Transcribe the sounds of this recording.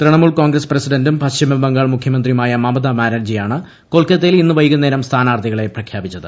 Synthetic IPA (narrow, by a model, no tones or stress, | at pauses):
t̪rɐɳɐmuːɭkoːŋɡɾɐsprɐsiɖɐndumpɐɕt͡ɕimɐbɐŋɡaːɭmukʰjɐmɐnd̪rimaːjɐmɐmɐd̪amaːɾɐːd͡ʑijaːɳɨ | koɭkːɐt̪ːilinːɨʋɐjukunːeːɾɐmst̪ʰaːnaːrt̪ʰiɣɐɭe̞prɐkʰjaːbit͡ɕːɐðɨ